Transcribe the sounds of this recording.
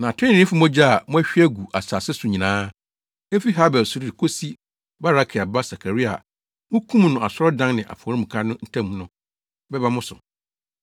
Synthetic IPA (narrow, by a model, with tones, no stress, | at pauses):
nã˨tʰʊ̃˦˨ɪ̃˦fʊ˦mɔ̃˦d͡ʑa˦˨mʊ̃˦æ˦ɕᶣi˦æ˦ɡu˨ʔa˨saː˨sɛ˦sʊ˨ɲĩ˨nãː˦ | e˦fi˦ɦa˦bɛ˨sʊ˨˦ɾi˦˨ɪ˨kʰo˦si˦ | ba˦ɾa˦kʰɪ˨a˨ba˦sa˨kʰa˨ɾi˦a̰˨ | mʊ̃˦kʰũ˦m̃˨nʊ̃˨a˨sɔ˦ɾɔ˦dã˦ŋnɪ̃˨ʔa̰˨fɔ˨ɾĩ˦m̩̃˨kʰa˦nʊ̃˦n̩˦tʰã˦m̃˨˦nʊ̃˨ | bɛ˦ba˦mʊ̃˦sʊ̰˨